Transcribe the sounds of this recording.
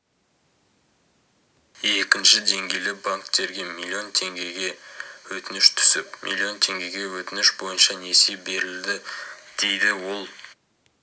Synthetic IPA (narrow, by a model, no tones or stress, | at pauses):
e̞kʲɪnʃɪd̪e̞ŋɡʲe̞jlɪbaŋkt̪e̞ɾɡʲe̞milʲˠːio̞nt̪ʰe̞ŋɡʲe̞ɡʲe̞wɵt̪ɪnɪʃt̪ʰʏ̥sɪpmḭlʲˠːio̞nt̪ʰe̞ŋɡʲe̞jɡʲe̞wɵt̪ɪnɪʃbo̞jənʃɑne̞sebe̞ɾɪld̪ɪd̪̥e̞jd̪ɪwo̞lˠ